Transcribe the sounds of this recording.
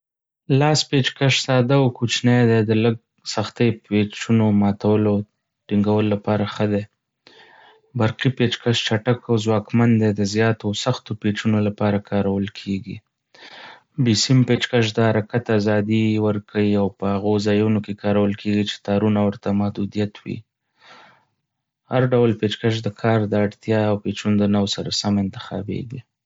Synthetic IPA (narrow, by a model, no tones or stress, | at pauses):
lɑspet͡ʃkaʃsɑd̪awkut͡ʃnejd̪ed̪ələɡ̚ | saxt̪ejpet͡ʃunomɑt̪awəlo | ʈiŋɡawəlolapɑɾaxəd̪e | baɾqipet͡ʃkaʃt͡ʃaʈakawzwɑkmand̪ed̪əzjɑt̪osaxt̪opet͡ʃunolapɑɾakʰɑɾawəlkʰeɡḭ | bisimpet͡ʃkaʃ̬d̪əhaɾakat̪azɑd̪iwəɾkʰawiawpəhaɣozɑjunokekɑɾawəlkʰeɡit͡ʃe̥t̪ɑɾunawəɾt̪amahd̪ud̪ijat̪ʰwḭ | haɾɖawlpet͡ʃkaʃ̬d̪əkʰɑɾd̪əaɽt̪jɑawpet͡ʃund̪ənawsaɾasamɪnt̪ɪ̥xɑ̰bḛɡi